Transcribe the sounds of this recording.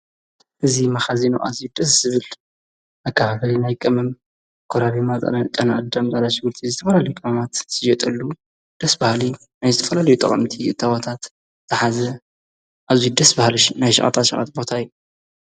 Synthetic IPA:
ʔɨzimɐxazinuʔa̰zjud̪ɐsz̥ɨβɨl | ʔɐkʰːahaβɐlinajkʼɐmɨm | kʰoɾaɾimatʼa̰lat͡ʃʼanaʔɨd̪ɐmzalaʃɪɡɨɾt̪ʰizɨt̪ʰɐfɐlalɐjukʼɐmɐmat̪z̥ɨd͡ʒɛt̪ʼɐlːu | d̪̥ɐsbahli | najzɨt̪ʰɐ̥fɐlalɐjut̪ʼɐ̰χʼɐ̰mt̪ʰiʔɨ̰t̪ʰːawɔt̪ʰat̪ | zɨħazɐ | ʔazjud̪ɐsbahlʃnajʃɐ̰χʼa̰t̪ʰat̪ʃʔʼa̰t̪̚bo̞t̪ʰajːu

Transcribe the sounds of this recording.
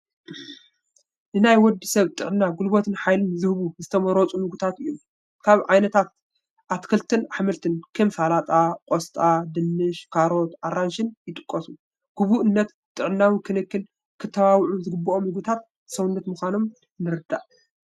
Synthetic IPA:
nɨnajwɔd̪ːisɐβt̪ʼɨʕnːaɡulbot̪ʰɨnħajlɨnzɨhβuzɨt̪ʰɐmɐɾot͡sʼunɨɡut̪ʰat̪ɨjːom | kʰaβʕajnɐt̪ʰat̪̚ | ʔat̪kʰɨlt̪ʰɨnaħmɐlt̪ʰɨnkʰɨmfalat̪ʼakʼost̪ʼad̪ɨnːɨʃkʰaɾo̞t̪ʔaɾanʃɪnjɪt̪ʼɨkʼːɐsu | ɡ̥uβuʔɨnːɐt̪ | t̪ʼɨʕnːawikʰɨnɨkːɨl | kʰɨt̪ʰːɐβawʕuzɨɡɨbːɐomnɨɡut̪ʰat̪̚ | sɐwnːɐt̪mɨxʷano̞m | nɨɾɨd̪a̰ʔ

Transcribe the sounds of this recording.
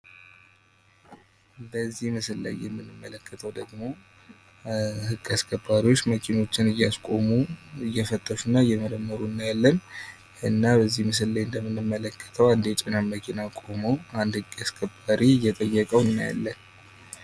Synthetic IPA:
bəzːihmɨsɨlːə̰jjɛmːɨnːɨmːələkʰːət̪ʰəwd̪əɡmo̞ | hɨkʼːaskʰʼəbːaɾiwo̞t͡ʃːməkʰino̞t͡ʃːɪnɨjːaskʼo̞muɨjːɛfət̪ʼːəʃunːajːɛməɾəmːəɾunːajalːən | ɨnːabəzːihmɨs̬ɨlːəjɨnd̪əmːɨnːɨmːələkːə̥t̪ʰəwand̪jɛt͡ʃʼɪnamməkʰinakʼo̞moand̪hɨkʼːaskʰəbːaɾijːɛt̪ʼəjːəkʼəwnːaja̰lːən

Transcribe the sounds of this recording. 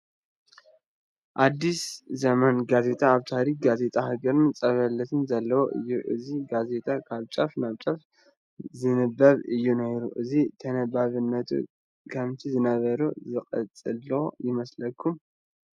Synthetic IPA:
ʔad̪ːiszɐmanɡaze̞t̪ʼaːβt̪ʰaɾik̚ɡaze̞t̪ʼahɨɡɐɾnt͡sʼɐβɐlːɐt̪ʰɨnzɐlːɐwoʔɨ̰jːuʔɨziɡaze̞t̪ʼakʰaβt͡ʃʼɐfnaβt͡ʃʼɐf | zɨnɨbːɐβɨjːunɐjɾṵʔɨzit̪ʰɐnɐbaβɨnːɐt̪ʰṵ | kʰɐmt̪ʰizɨnɐβɐɾuzɨqʼɐ̰t͡sʼɨlːɐwojɪmɐslɐkʰːum

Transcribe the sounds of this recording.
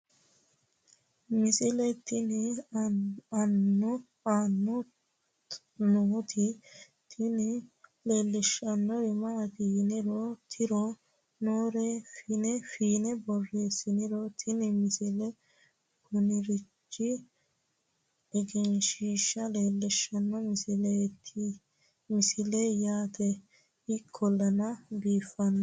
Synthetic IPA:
mɪsɪlɛt̪ɪnɪ | ɐnːɔ | anːɔ | not̪ʰɪ | t̪ʰɪnɪle̞ːlːɪʃɐnːɔɾɛmɐʔɐt̪inɪɾɔt̪ʰɪɾɔ | noːɾɛfɪnɛfiːnɛbɔrːeːsɪnɪɾɔt̪ʰɪnɪmɪsɪlɛ | ɡʊnɪɾɪt͡ʃːɪ | ɛɡɛnʃiːʃːɐleːlːɪʃɐnːɔmɪsɪlet̪ʰːɪ | mɪsɪlɛjaːt̪ɛ | ɪkʰːɔlːɐnɐbiːfːɐnːɐ

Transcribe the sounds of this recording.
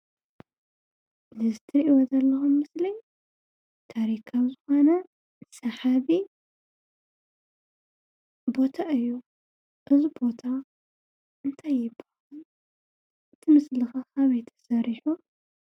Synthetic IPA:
lɨzɨt̪ʰɨɾʔiwɐzɐlːɐxumːɨsli | t̪ʰaɾikʰazɨxo̞nɐ | sɐħaβi | bo̞t̪ʰaʔɨjːu | ʔɨzibo̞t̪ʰa | ʔɨnt̪ʰajːɪbɐ̥halu | ɨt̪ʰɨmɨslɨxakʰaβajt̪ʰɐ̥sɐɾiħu

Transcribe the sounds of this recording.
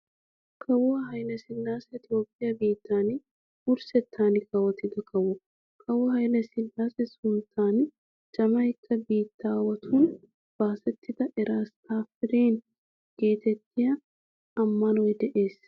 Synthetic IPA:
kʰɐwʊɐɦɐjlɛsɪnːaːsɛɪt̪ɪjo̞ːpʼːɪjɐbiːt̪ːaːnɪ | ʊɾsɛt̪ʰːaːnɪkɐwɐt̪ːɪd̪ɐkɐwɔ | kʰɐwɔhɐjlɐsɪlːaːsɛsʊnt̪ʰːaːn | d͡ʒɐmɐjkʰːɐbiːt̪ːaːwɐt̪ʰuːn | b̥aːsɛt̪ʰːɪd̪ɐʔɛɾʔaːst̪aːfɪɾeːn | ɡ̥eːt̪ɛt̪ːɪjɐ | ɐmːɐnɔjd̪ɛʔeːs

